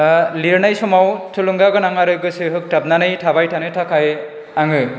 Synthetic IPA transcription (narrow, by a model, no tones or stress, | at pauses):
liɾnajsɔmawtʰɯluŋɡaɡɔnaŋaɾɯjɡɯsɯɦɯk̚tʰabnanɯjtʰabajtʰanɯtʰakʰaj | aŋɯ